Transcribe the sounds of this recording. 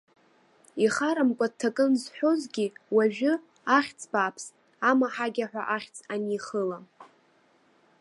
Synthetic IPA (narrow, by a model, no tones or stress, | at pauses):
iχaɾamkʷʼad̚tʰːakʼɨnzħʷᶣozɡʲiwaʒᶣɨ | aχʲt͡sʼbapʰs | amaħaɡʲaħʷᶣa̰ʔaχʲt͡sʼaniχəla